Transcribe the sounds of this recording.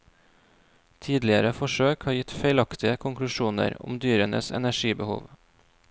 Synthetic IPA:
t̪ʰiːd̪lɪəɾəfɔʃøːkhɑːɾjɪt̪feɪlɑkt̪ɪəkʰʊŋklʉʃuːnə̰ɾʊ̰md̪yːɾənʔə̰sɛ̰næʃiːbəhṵːʋ

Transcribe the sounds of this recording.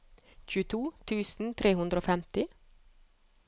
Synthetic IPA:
çʉːt̪ʰuːt̪ʰʉːsn̩t̪ʰɾeːhʉnd̪ɾoːfɛmt̪ɪ

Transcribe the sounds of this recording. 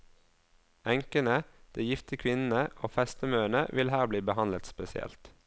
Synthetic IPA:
æŋkənəd̪̥eːjɪft̪əkʰʋɪnn̩əʔoːfɛst̪əmøːəɳə̰ʋɪlhæːʁbliːbəhɑnlət̪spɛsɪɛ̰lt̪

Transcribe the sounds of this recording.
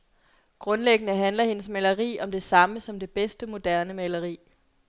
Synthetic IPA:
ɡ̥ʁɔ̽nleɡ̥ənəɦænlɐhe̝nəsmælɐʁḭːɒ̽md̥e̝sɑ̈məsɒ̽md̥e̝b̥esd̥əmo̝d̥æɐnəmælɐʁḭː

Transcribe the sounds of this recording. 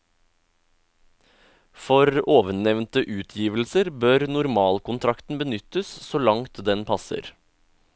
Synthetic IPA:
fɔɾoːʋəɳɛʋnt̪əʔʉːt̪ʰjiːʋl̩səɾbøːɾnʊɾmɑːlkʊnt̪ʰɾɑkt̪n̩bənʏt̪əssoːlɑŋt̪d̪ɛnpʰɑsə̰ɾ

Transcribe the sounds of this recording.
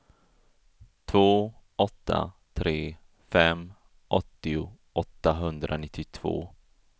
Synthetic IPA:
t̪ʰvoːɔt̪ːa̰t̪ʰɾeː | fɛmː | ʔɔt̪ːɪʊ | ɔt̪ːaɦɵnd̪ɾʔanɪt̪ʰːɪt̪ʰv̥o̰ː

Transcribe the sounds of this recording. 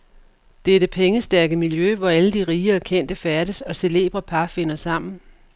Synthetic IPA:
d̥eæd̥əpʰeŋəsd̥æɐɡ̥əmiljøʋɒæləd̥iʁiːɐkʰen̰d̥əfæɐɾ̥əsɒ̽se̝le̝̰ːb̥ʁɐpʰɑ̈fe̝n̰ɐsɑ̈m̰n̩

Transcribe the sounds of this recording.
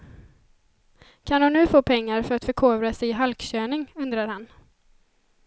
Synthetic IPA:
kʰand̪ʊnnʉ̟ːfoːpʰɛŋːaɾfœɾat̪fœɾkʰoːvɾasɛjɪɦalkɕøːnɪŋɵnd̪ɾaɾhan

